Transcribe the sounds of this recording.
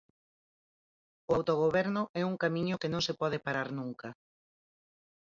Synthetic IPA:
oawt̪oɣ̞oβɛɾnʊʔɛuŋkamĩɲʊkenõŋsepɔðɪpaɾaɾnuŋkɐ

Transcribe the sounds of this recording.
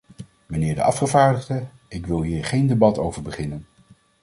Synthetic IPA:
mənɪːɹdə̰ʔɑ̰fχəvaːɹdəχdə | ɪkʋɪlˠɦiːɹχejndebɑtowvəɹbəχɪnən

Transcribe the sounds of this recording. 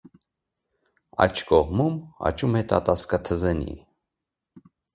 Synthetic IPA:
ɑ̰t͡ʃʰkɔʁmumɑ̰t͡ʃʰumɛt̪ɑt̪ɑskɑt̪ʰəzɛnḭ

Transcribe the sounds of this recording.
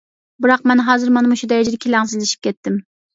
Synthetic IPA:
bɨɾɑqmɛnɦɑːzɨɾmɑnmuʃud̪ɛjɛd͡ʒɪd̪ɪkʲʰelæŋs̬ɪzd̪ɪʃi̥p̚kʲʰɛt̪ːɪm

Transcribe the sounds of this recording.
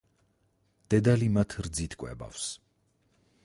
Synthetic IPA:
d̪̥ɛd̪alimat̪ʰɾd̪zit̪ʰkʼwɛ̰ba̰fs

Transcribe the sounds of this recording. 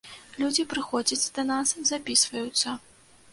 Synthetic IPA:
lʲud͡zʲipɾɨxɔd͡zʲɐt͡sʲd̪ɐnaszapʲisvɐjut̪sːɐ

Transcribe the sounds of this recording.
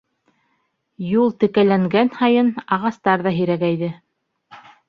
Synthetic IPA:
julˠt̪ɘ̆kælæŋɡænhɑjɤnɑʁɑst̪ɑɾðɑɦĭɾæɡæjðɘ

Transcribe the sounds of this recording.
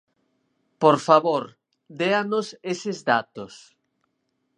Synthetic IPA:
poɾfaβoɾ | d̪eanosesɪzdat̪os

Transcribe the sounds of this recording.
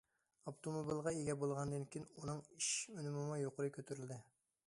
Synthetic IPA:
opt̪ʰomobilˠʁɑeɡʲɛbolˠʁɑnd̪ɨnkʲijnunɨŋiʃmynmɨmujoqʰʊɾɨkʲʰøt̪ʰyɾylʲd̪ɪ

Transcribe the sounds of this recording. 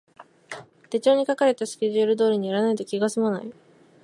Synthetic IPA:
t̪e̞t͡ɕo̞ːɲ̟ikakaɾe̞t̪asɨ̥kʲe̞ʑɨɯɾɯ̟d̪o̞ːɾʲiɲ̟iaɾanait̪o̞kʲiɡasɨmona̰i

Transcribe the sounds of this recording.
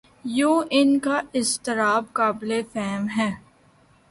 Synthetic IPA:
joːʔɪnkaɪst̪ɪɾaːbkaːblefɛːmɦɛː

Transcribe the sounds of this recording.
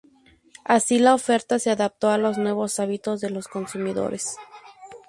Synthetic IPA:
asilao̞fe̞ɾt̪ase̞aðap̚t̪o̞alo̞znwe̞β̞o̞saβit̪o̞zðe̞lo̞sko̞nsumiðo̞̰ɾʔes

